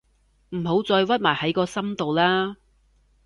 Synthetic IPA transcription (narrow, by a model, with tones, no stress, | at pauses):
m̩˨˩ɦo˨˥wt͡sɔː˧jwɐ˥t̚maː˨˩jhɐ˨˥jkɔː˧sɐ˥mt̪o˨wlaː˥